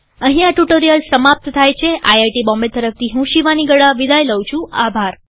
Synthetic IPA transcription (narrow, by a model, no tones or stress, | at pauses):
əɦĩaʈuʈoɾijəlsəmap̚t̪t̪ʰajt͡ʃʰeʔajajʈibɔ̃mbet̪əɾəft̪ʰiɦũʃiʋaniɡəɽaʋid̪ʱajləwt͡ʃʰũabʱaɾ